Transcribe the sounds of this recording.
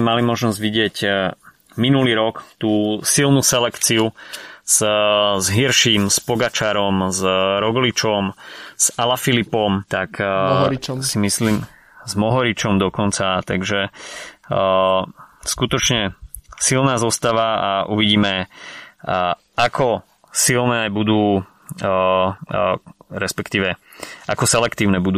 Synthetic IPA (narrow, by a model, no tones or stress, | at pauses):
ɛmalimɔʒnɔzɟʋiɟɪɛc | minuliːɾɔkt̪uːsilˠnusɛlɛkt͡siuz̥zɦiɾʃiːmspɔɡat͡ʃaːɾɔmzɾɔɡlit͡ʃɔmz̥alafilipɔmt̪ak | simisliːm | zmɔɦɔɾit͡ʃɔmd̪ɔkɔnt͡sat̪aɡʒɛ | skut̪ɔt͡ʃɲɛsilnaːzɔst̪aʋaaʔuʋiɟiːmɛ | ʔakʰɔ | silˠnɛːajbud̪uː | ɾɛspɛkt̪iːʋɛʔa̰kɔsɛlɛkt̪iːʊnɛbud̪uː